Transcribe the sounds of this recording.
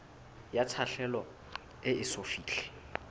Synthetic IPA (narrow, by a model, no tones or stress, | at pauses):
jat͡sʰaɬɛlɔ | ɪɪsofiːɬɛ̥